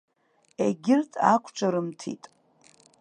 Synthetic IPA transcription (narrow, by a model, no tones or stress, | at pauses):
eɡʲɪrtʰʼa̰kʷʰt͡ʃʷʰʼaɾɨmtʰḭtʼ